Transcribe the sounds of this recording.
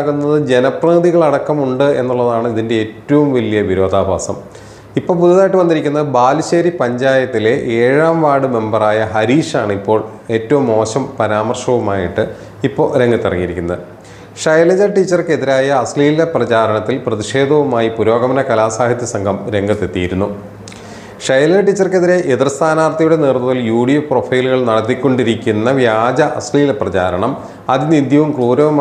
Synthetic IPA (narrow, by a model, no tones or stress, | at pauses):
ɣunːɐðɨd͡ʑe̞nɐprɐːd̪iɣɐɭɐɽɐkːɐmuɳɖɨe̞̰nːuɭːɐðaːɳɨiðindeeːtːɐʋumʋɐlijɐʋiɾo̞ːd̪ʱaːbʱaːsɐ̰m | ipːo̞ːɭpud̪ːɐðaːjiʈːɨʋɐnd̪iɾikʲːunːɐɨbaːlɕeːɾipɐɲd͡ʑaːjɐt̪ːile̞ʔeːɻaːmʋaːɽɨme̞mbɐraːjɐɦɐɾiːʂaːɳɨipːo̞ːɭ | e̞ːtːɐʋumːo̞ːɕɐmpɐɾaːmɐrʂɐʋumaːjiʈːɨ | ipːo̞ːɾeŋɡɐt̪ːirɐŋːijiɾikʲːunːɐð | ʂɐjlɐd͡ʑɐʈit͡ɕːɐrkeðiɾaːjɐːsliːleprɐt͡ɕaːɾɐɳɐt̪ːilprɐðiʂe̞ːd̪ʱɐʋumaːjipuɾo̞ːɡɐmɐnɐkɐlaːsaːhɐt̪jɐsɐŋɡʱɐmɾe̞ŋɡɐt̪ːe̞t̪ːijiɾunːu | ʂɐjɐlɐʈːit͡ɕːɐrke̞ðiɾe̞ʔeðirst̪ʰaːnaːrt̪ɐjuɽe̞nirnuðɐljuːɽijuprofɐjluɣɐɭnɐɽɐt̪ːikʲːo̞ɳɖiɾikʲːunːɐʋjaːd͡ʑɐʔɐsliːleprɐt͡ɕaːɾɐɳɐm | ɐðinːid̪ʱjɐʋumkruːɾɐʋum